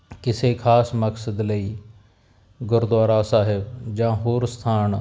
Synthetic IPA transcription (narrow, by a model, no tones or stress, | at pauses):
kɪsekʰaːsməksəd̪ləiː | ɡʊɾd̪waːɾaːsaːɦɪbd͡ʒãːɦoːɾst̪ʰaːn